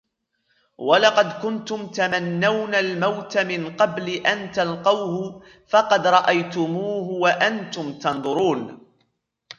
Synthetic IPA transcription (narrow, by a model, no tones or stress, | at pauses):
walɑqɑd̪kʊnt̪ʊmt̪amanːawnalmawt̪amɪnqɑblɪʔant̪alqɑwhʊ | fɑqɑd̪ɾˤɑʔajt̪ʊmuːɦʊwaʔant̪ʊmt̪ɑnðˤʊɾuːn